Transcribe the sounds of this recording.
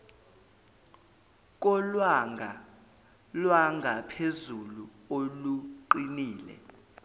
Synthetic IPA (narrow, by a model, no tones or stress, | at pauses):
k̬ʼɔlwaŋa | lwaŋɡʱapʰezulu | oluǃiniːlɛ̰